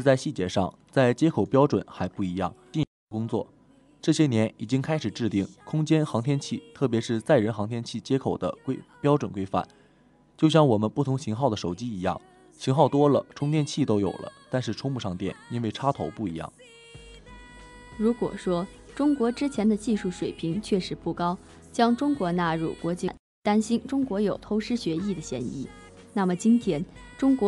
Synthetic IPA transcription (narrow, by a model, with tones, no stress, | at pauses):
t͡sa˥˧ɪɕi˥˩t͡ɕjɛ˧˥ʂɑ̰˥˧ŋ | t͡sa˥˩ɪt͡ɕjɛ˥kʰo˨˩ʊpjɑ˥ʊʈ͡ʂwə̰˨˩˦nxa˧˥ɪpu˥˩i˧˥jɑ̰˥˩ŋt̪jɛ˥˩˥kʊ˥ŋt͡swɔ̰˥˩ | ʈ͡ʂɤ˥˩ɕjɛ˥njɛ˧˥ni˨˩t͡ɕi˥ŋkʰa˥ɪʂɻ̩˨˩ʈ͡ʂɻ̩˥˧t̪i˥˩ŋkʰʊ˥ŋt͡ɕjɛ˥nxɑ˧˥ŋt̪ʰjɛ˥nt͡ɕʰi˥˩t̪ʰɤ˥˩p̬jɛ˧˥ʂɻ̩˥˧t͡sa˥˩ɪɻə˧˥nxɑ˧˥ŋt̪ʰjɛ˥nt͡ɕʰi˥˩t͡ɕjɛ˥kʰo˨˩ʊd̪ə̰˦kwe˥ɪpjɑ˥ʊʈ͡ʂwə˨˩nkwe˥ɪfa̰˥˩n | t͡ɕjo˥˧ʊɕjɑ˥˩ŋwɔ˨˩mə˦npu˥˩t̪ʰʊ˧˥ŋɕi˧˥ŋxɑ˥˩ʊd̪ə˩ʂo˨˩ʊt͡ɕi˥i˧˥jɑ̰˥˩ŋ | ɕi˧˥ŋxɑ˥˩ʊt̪wɔ˥lə̰˨ʈ͡ʂʰʊ˥ŋt̪ʰjɛ˥˧nt͡ɕʰi˥˩t̪o˥ʊjo̰˨˩ʊlʔə̰˦t̪a˥˧nʂɻ̩˥˩ʈ͡ʂʰʊ˥ŋmu˥˧ʂɑ˥˧ŋt̪jɛ̰˥˩ni˥nwe˥˩ɪʈ͡ʂʰa˥t̪ʰo˧˥ʊpu˥˩i˧˥jɑ̰˥˩ŋ | ɻu˧˥kwɔ̰˨˩ʂwɔ˥ʈ͡ʂʊ˥ŋkwɔ˧˥ʈ͡ʂɻ̩˥t͡ɕʰjɛ˧˥nd̪ə˧t͡ɕi˥˧ʂu˥˩ʂwe˨˩ɪpʰi˧˥ŋt͡ɕʰɥɛ˥˩ʂɻ̩˧˥pu˥˩kɑ˥ʊ | t͡ɕjɑ˥ŋʈ͡ʂʊ˥ŋkwɔ˧˥na˥˧ɻṵ˥˩kwɔ˧˥t͡ɕi˥˩n | t̪a˥nɕi˥nʈ͡ʂʊ˥ŋkwɔ˧˥jo˨˩ʊt̪ʰo˧˥ʊʂɻ̩˥ɕɥɛ˧˥i˥˩d̪ə˩ɕjɛ̰˧˥nḭ˥˩ | na˥˩mə˩t͡ɕi˥nt̪ʰjɛ˥nʈ͡ʂʊ˥ŋkwɔ˧˥